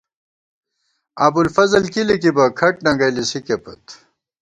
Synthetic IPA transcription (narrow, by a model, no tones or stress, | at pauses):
ɐbulfɐzɐlkilikibɐkʰɐʈ̚nɐŋɡɐjlisikepɐ̰t̪